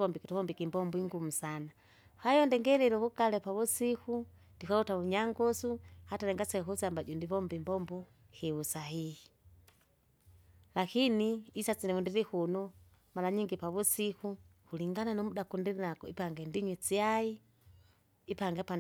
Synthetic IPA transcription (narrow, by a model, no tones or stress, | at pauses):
βɔmbikituβɔmbikimbɔmbɔiŋɡum̩sana | hajɔndɛŋɡɛlɛlɔβukalɛpaβusiku | ndikaɔtaβuɲaŋɡɔsuhatalɛŋɡasɛkusambaɟɔndiβɔmbimbɔmbɔ | hiusaɦihi | lakiniːsat͡sinɛβundiɾihunɔ | malaɲiŋɡipaβusikuhuliŋɡananɔmudakundiɾinakɔḭpaŋɡɛndiɲwit͡siai | ipaŋɡɛpa